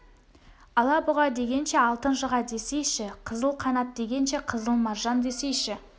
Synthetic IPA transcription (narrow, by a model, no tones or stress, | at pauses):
ɑlˠɑbʊʁɑd̪e̞ɡʲe̞nʃe̞ɑlˠt̪ənʃəʁɑd̪e̞sejʃɪqʰəzəlˠqʰɑnɑt̪̚d̪e̞ɡʲe̞nʃe̞qʰəzəlˠmɑɾʒɑnd̪e̞se̞jʃɪ